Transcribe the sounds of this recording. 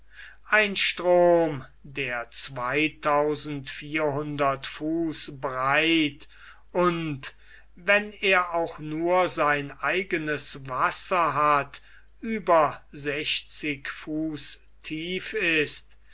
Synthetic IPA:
ʔaɪnʃtʁ̥oːmdeːɐt͡sv̥aɪtʰaʊzn̩tfiːɐɦʊndɐtfuːsbʁaɪt | ʔʊnt | vɛneːɐʔaʊxnuːɐzaɪnʔaɪɡənəsvasɐɦat | ʔyːbɐzɛçt͡sɪkfuːs | tʰiːfɪst

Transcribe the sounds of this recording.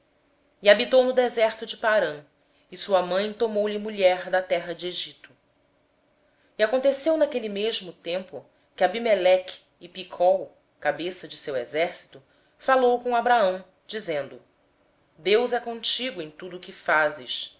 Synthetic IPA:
iabit̪ownʊd̪ezɛɾt̪ʊd͡ʒɪpaɾɐ̃ | isuɐmɐ̃j̃t̪omowʎimuʎɛɾd̪ɐt̪ɛɦɐd͡ʒɪeʒit̪ʊ̥ | iakõnt̪esewnakelimeʒmʊt̪ẽmpʊ | kʲɪabimelɛk | ɪpikʰɔw | kabesɐd͡ʒɪsewezɛɾsi̥t̪ʊ | falowkõabɾaɐ̃w̃ | d͡ʒizẽnd̪ʊ | d̪ewzɛkõt͡ʃiɡʊẽj̃t̪ud̪ʊːkɪfazɪʃ

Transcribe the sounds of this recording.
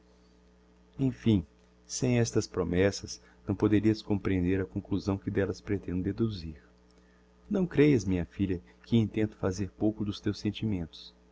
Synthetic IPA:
ẽj̃fĩ | sẽj̃ɛst̪ɐspɾomɛsɐs | nɐ̃w̃pod̪eɾiɐskõpɾiẽnd̪eɾɐkõkluzɐ̃w̃kɪd̪ɛlɐspɾet̪ẽnd̪ʊd̪ed̪uziɾ | nɐ̃w̃kɾejɐzmĩɲɐfiʎɐ | kɪĩnt̪ẽnt̪ʊ̥fazeɾpowkʊd̪ʊst̪ewsẽnt͡ʃimẽnt̪ʊ̥s

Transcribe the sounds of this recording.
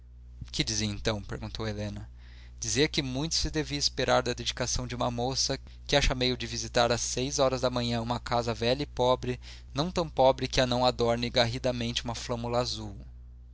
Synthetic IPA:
kɪd͡ʒiziẽnt̪ɐ̃w̃peɾɡũnt̪owelẽnɐ | d͡ʒizeɾkɪmũj̃t̪ʊ̥sɪd̪eviɐispeɾaɾd̪ɐd̪ed͡ʒikasɐ̃w̃d͡ʒɪũmɐmosɐ | kɪaʃɐmejʊd͡ʒɪvizit̪aɾɐsːejzɔɾɐzd̪ɐmɐ̃ɲɐ̃ũmɐkazɐvɛʎɐipɔbɾɪ | nɐ̃w̃t̪ɐ̃w̃pɔbɾɪkɪanɐ̃w̃ad̪ɔɾnɪɡaɦid̪ɐmẽnt͡ʃɪũmɐflɐ̃mulɐazuw

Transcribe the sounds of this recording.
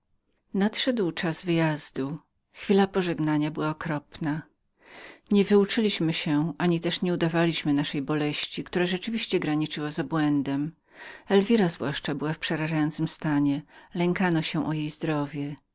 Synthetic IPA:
nat̪ʂɛd̪wt͡ʂazvɘjazd̪u | xfʲilapɔʐɛɡnaɲabɘwaɔkɾɔpna | ɲɛvɘut͡ʂɘlʲiɕmɘɕɛʔaɲit̪ɛʂɲɛud̪avalʲiɕmɘnaʂɛjbɔlɛɕt͡ɕikt̪uɾaʐɛt͡ʂɘvʲiɕt͡ɕɛɡɾaɲit͡ʂɘwazabwɛnd̪ɛm | ɛlvʲiɾazvwaʂt͡ʂabɘwafpʂɛɾaʐajɔnt̪sɘmst̪aɲɛlɛŋkanɔɕɛ̃ʔɔjejzd̪ɾɔvʲjɛ

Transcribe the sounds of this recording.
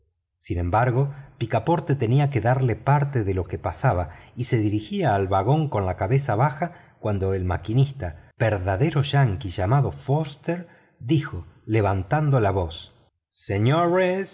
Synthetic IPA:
sinẽ̞mbaɾɣo̞pikapo̞ɾt̪e̞t̪eniake̞ðaɾle̞paɾt̪eðelo̞kepasaβaise̞ðiɾixiaːlβaɣo̞ŋko̞nlakaβe̞saβaxa | kwand̪o̞elma̰kinist̪ab̥eɾðaðe̞ɾo̞ʒaŋkiʒamaðofost̪eɾ | d̪ixo̞le̞β̞ant̪and̪olaβo̞s | seɲoɾes

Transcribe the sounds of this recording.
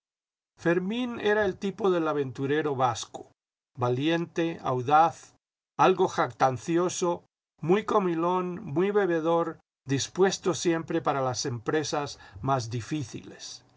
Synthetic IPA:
fe̞ɾmĩneɾae̞lt̪ipo̞ðe̞laβ̞ẽ̞nt̪uɾe̞ɾo̞βasko̥ | balje̞nt̪e̞a̰wðaθ | alɣo̞xak̚t̪anθjo̞so | mujkomilo̞nmwuijβe̞βe̞ðo̞ɾ | d̪ispwe̞st̪o̞sje̞mpɾe̞paɾalase̞mpɾe̞sazmazðifiθḭles

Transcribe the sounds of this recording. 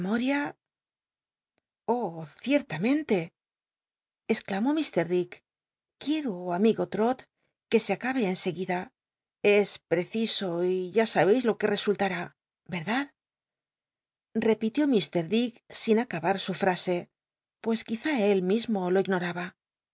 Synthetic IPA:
moɾja | oθje̞ɾt̪amẽ̞nt̪e̞ | sklamo̞mist̪e̞ɾðik | kːje̞ɾoamiɣo̞t̪ɾo̞t̪ | ke̞seakaβe̞ːnse̞ɣiða | e̞spɾe̞θiso̞iʝasaβe̞jzlo̞ke̞re̞sult̪aɾa | be̞ɾðað | re̞pit̪jo̞mist̪e̞ɾðiksinakaβaɾsufɾase̞ | pwe̞skiθae̞lmizmo̞lo̞iɣno̞ɾaβa

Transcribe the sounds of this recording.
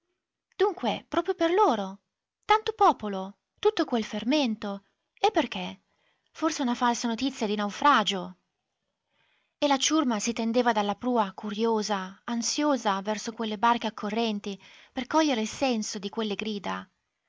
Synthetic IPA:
d̪̥uŋkwepɾɔːpɾjoperloːɾo | t̪ant̪opɔːpolo | t̪ut̪ːokwelferment̪o | epːerk̟e | forseunafalsanot̪it̪sːjad̪inawfɾaːd͡ʒo | elat͡ʃurmasit̪end̪eːvad̪alːapɾuːakuɾjoːzaːnsjoːzavɛrsokwelːebark̟eakʰːorːɛnt̪iperkɔʎːeɾeilsɛnsod̪ikwelːeɡɾiːd̪a

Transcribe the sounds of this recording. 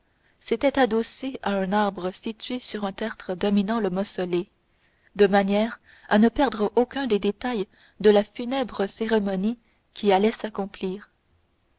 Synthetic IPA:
set̪ɛt̪ad̪oseaɛ̃naʁbʁəsit̪ɥesyʁɛ̃t̪ɛʁt̪χəd̪ɔminɑ̃ləmɔsɔle | d̪əmanjɛːʁ | anəpɛʁd̪ʁəʔokʲœ̃d̪ed̪et̪aj | d̪əlafynɛbʁəseʁemɔni | kʲialɛsakɔ̃pliːʁ

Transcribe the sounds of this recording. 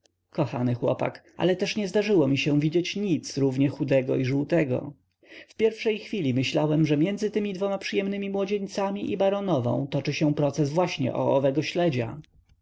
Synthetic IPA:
kɔxa̰nɘxwɔ̰pa̰kʔa̰lɛt̪ɛʂɲɛzd̪aʐɘwɔmʲiɕɛ̃vʲid͡ʑet͡ɕɲit̪sɾuvɲɛxud̪ɛɡɔ̰iʐuwt̪ɛɡɔ̰ | fpʲjɛɾfʂɛjxfʲilʲimɘɕlawɛmʐɛmʲjɛnd̪zɘt̪ɘmʲid̪vɔmapʂɘjɛmnɘmʲimwɔd͡ʑeɲt̪samʲiʔibaɾɔnɔvɔ̰̃w̃t̪ɔt͡ʂɘɕɛ̃pɾɔt̪sɛsvwaɕɲɛ̰ʔɔ̰ːvɛɡɔɕlɛd͡ʑa̰

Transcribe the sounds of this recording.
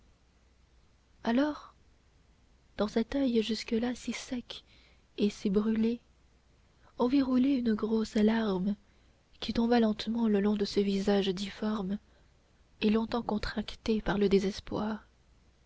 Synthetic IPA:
alɔːʁ | d̪̥ɑ̃sɛt̪ajʒyskəlasisɛk | esibʁyle | ɔ̃viʁuleynəɡʁosalaʁm | kʲit̪ɔ̃balɑ̃t̪mɑ̃ləlɔ̃d̪əsəvizaʒd̪ifɔʁm | elɔ̃t̪ɑ̃kɔ̃t̪χakt̪epaʁləd̪ezɛspwaːʁ

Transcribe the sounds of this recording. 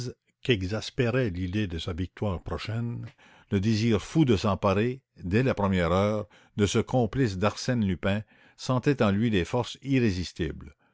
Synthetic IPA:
z | kɛɡzaspeʁɛlid̪ed̪əsavik̚t̪waːʁpʁɔʃɛn | ləd̪eziːʁfud̪əsɑ̃paʁe | d̪ɛlapʁəmjɛʁœːʁ | d̪əsəkʰɔ̃plis̬d̪aʁsɛnlypɛ̃ | sɑ̃t̪ɛt̪ɑ̃lɥid̪efɔʁsiʁezist̪ibl

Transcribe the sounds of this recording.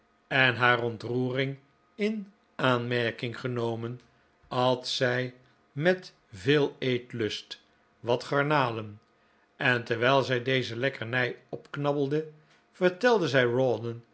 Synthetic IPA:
ɛnɦaːrɔntruːrɪŋ | ɪn | aːnmɛɹkɪŋχənowmən | ɑlˠtsɛj | mɛt | vɪːlˠejtlɵst | ʋɑtχɑɹnaːlən | ʔɛntəɹʋɛjlˠzɛjdejzəlɛkəɹnɛjɔpknɑbəl̩ˠdə | v̥əɹtɛlˠdəzɛjrɔdən

